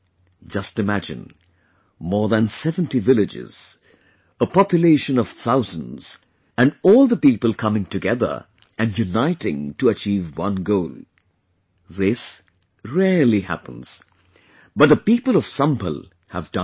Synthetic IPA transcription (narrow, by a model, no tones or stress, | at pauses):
d͡ʒʌstɨmæd͡ʒɨ̰̃n | mɔɹðə̃nsɛvə̃ntivɪlɨd͡ʒɪ̰z̥ | əpɑpjɨleɪʃɨ̃nʌv̥θaʊzə̃n̩z̥ | ɨ̃nɔlˠðəpipəl̩ˠkʰʌmɪ̃ŋtɨɡɛðə̰˞ | ʔɨ̃njunaɪɾɪ̰̃ŋtəət͡ʃivwʌ̃nɡoʊlˠ | ðɪs | ɹɛlihæ̰pə̃nz̥ | b̥ʌt̪̚ðəpipəlˠʌv̥sʌ̃mpə̰lˠ | hə̰vdʌ̃